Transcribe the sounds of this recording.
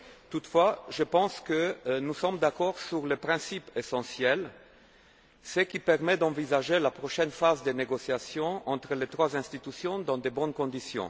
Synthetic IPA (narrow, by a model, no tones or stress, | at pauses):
t̪ut̪fwaʒəpɑ̃skənusɔmd̪akɔʁsyʁləpχɛ̃sipesɑ̃sjɛl | səkʲipɛʁmɛd̪ɑ̃vizaʒelapχɔʃɛnfazd̪əneɡɔsjasjɔ̃ɑ̃t̪χəlet̪χwazɛ̃st̪it̪ysjɔ̃d̪ɑ̃d̪ebɔnkɔ̃d̪isjɔ̰̃